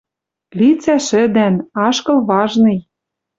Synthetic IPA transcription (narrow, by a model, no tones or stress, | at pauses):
lit͡sæʃɘ̆d̪ænɑʃkɤ̆lβɑʒnɤ̆j